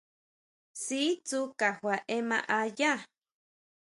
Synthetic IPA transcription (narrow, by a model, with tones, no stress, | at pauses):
si˦t͡su˦ka˨hwa˨ʔe˦mã̰˧ʔa˧ja˦